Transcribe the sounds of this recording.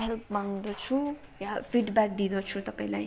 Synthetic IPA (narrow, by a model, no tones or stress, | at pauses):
ɦelp̚maŋd̪ʌt͡sʰujapʰiʈbak̚d̪id̪ʌt͡sʰut̪ʌpaĩla̰j